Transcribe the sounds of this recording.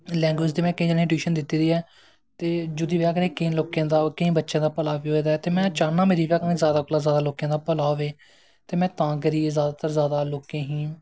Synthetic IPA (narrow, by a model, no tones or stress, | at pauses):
lɛ̃ːŋɡwɪːd͡ʒd̪iːmɛ̃ːkɪĩːd͡ʒəniːʈiːʃənd̪ɪt̪ːiːd̪iːɛː | t̪eːd͡ʒʊd̪iːʋjaːkənẽːkə̃ːloːkjãːd̪aːkəĩːbətːʃjãːd̪aːpəlaːʋiːɦoːeːd̪aːɛt̪eːmɛ̃ːt͡ʃaːnãːmeːɾiːʋjaːkːnẽːzjaːd̪aːkoːlaːzjaːd̪aːloːkjãːd̪aːpəlaːɦoːʋeː | t̪eːmɛ̃ːt̪ãːk̬əɾiːeːzjaːd̪aːt̪əɾzjaːd̪aːloːkẽːɦĩː